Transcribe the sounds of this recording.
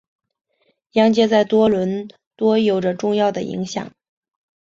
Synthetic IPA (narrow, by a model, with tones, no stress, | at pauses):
jɑ˥ŋt͡ɕjɛ˥t͡sa˥˩ɪt̪wɔ˥lwə˧˥n | t̪wɔ˥jo˨˩ʊʈ͡ʂə˧ʈ͡ʂʊ˥˧ŋjɑ˥˩ʊd̪ə˩ḭ˧˥ŋɕjɑ̰˨˩˦ŋ